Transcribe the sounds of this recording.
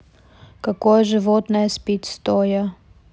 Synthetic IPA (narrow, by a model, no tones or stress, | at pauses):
kɐkojəʐɨvot̪nɐjɐsʲpʲitʲst̪ojɐ